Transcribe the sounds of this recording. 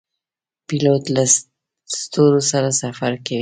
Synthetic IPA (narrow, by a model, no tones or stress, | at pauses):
pilot̪la | st̪oɾosaɾasafaɾkawi